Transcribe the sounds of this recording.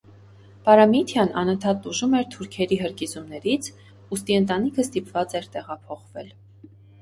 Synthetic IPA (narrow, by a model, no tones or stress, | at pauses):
pɑɾɑmit̪ʰjɑnɑ̰nənt̪ʰɑt̪̚t̪uʒumɛɾt̪ʰuɾkʰɛɾiɦəɾkizumnɛɾit͡sʰ | ust̪iənt̪ɑnikʰəst̪ipvɑt͡sɛɾt̪ɛʁɑpʰɔχvɛ̰l